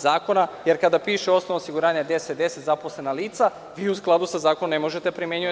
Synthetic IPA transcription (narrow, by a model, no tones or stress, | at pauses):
zaːko̞najeɾkad̪apiːʃeo̞snoʋaosiɡuɾaːɲad̪e̞set̪̚d̪e̞set̪zaposle̞naliːt̪sa | ʋiːusklˠad̪usazaːkonomnemo̞ʒet̪epɾimeɲue